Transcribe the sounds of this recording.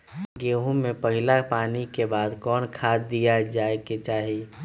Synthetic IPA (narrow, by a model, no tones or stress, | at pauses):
ɡeːɦõmẽpɐɦɪlapaːnikebaːd̪kɔːnkʰaːd̪d̪ːijad͡ʒaːeket͡ʃaːɦi